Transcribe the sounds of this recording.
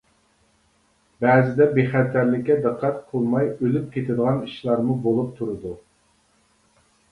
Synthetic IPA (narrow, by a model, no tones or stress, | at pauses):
bɛːzɪd̪ɛbeχæt̪ʰæɾlɪkʲːɛd̪əqʰːæt̪qʰolˠmɑjølyp̚kʲʰet̪ʰɪd̪əʁɑniʃlˠɑɾmubolˠup̚t̪ʰuɾɨd̪u